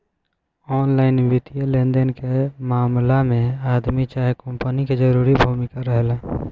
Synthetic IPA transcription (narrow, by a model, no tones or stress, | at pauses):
ɔnlaɪnʋit̪ijəlẽnd̪enkemaːmlamẽad̪mit͡ʃaɦjkəmpəniked͡ʒəɾuɾibʱumikaɾəɦɛla